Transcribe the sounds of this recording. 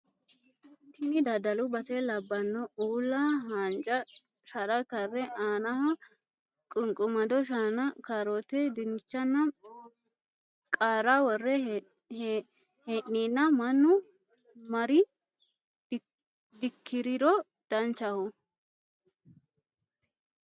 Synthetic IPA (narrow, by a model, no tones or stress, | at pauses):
t̪ɪnɪd̪ɐd̪ɐlʊbɐt̪ɛlɐbːɐnːɔuːlːaɦand͡ʒʼɐ | ʃɐɾɐkɐrːɛʔaːnɐhɐ | kʼʊŋkʼʊmɐd̪ɔʃanɐkaːɾot̪ɛd̪ɪnt͡ʃːɐnːɐ | kʼaːɾawɔrːɛ | heʔniːnːɐmɐnːʊ | mɐɾɪ | d̪ɪkʰːɪɾɪɾɔ | d̪̥ɐnt͡ʃːɐhɔ